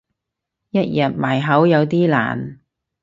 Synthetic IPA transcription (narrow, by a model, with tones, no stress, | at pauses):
jɐ˥t̚jɐ˨t̚maː˨˩jɦɐ˨˥wjɐ˨˧wt̪iː˥la̰ː˨˩n